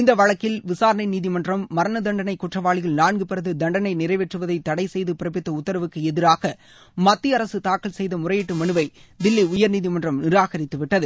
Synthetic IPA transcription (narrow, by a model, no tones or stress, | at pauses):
ɪnd̪ɐʋɐɻɐkːɪlʋɪsaːɾɐnɐɪniːðimɐndrɐmːɐɾɐnɐd̪ɐɳɖɐnɐɪkːʊʈrɐʋaːɭɪɣɐɭnaːɳɡɯpɪɾɐðɯd̪ɐɳɖɐnɐɪnɪrɐɪʋɛʈrɯʋɐðɐɪt̪ːɐɽɐɪsɛjðɯpɪɾɐpɪt̪ːɐʊt̪ːɐɾɐʋɯkːɯɛðɪɾaːɣɐ | mɐt̪ːiɐɾɐsɯt̪aːkːɐɭsɛjðɐmʊrɐjɪʈːɯmɐɳɯʋɐɪd̪ɪlːiʊjɐɾniːðimɐndrɐmnɪɾaːɣɐɾɪt̪ːɯʋɪʈːɐðɯ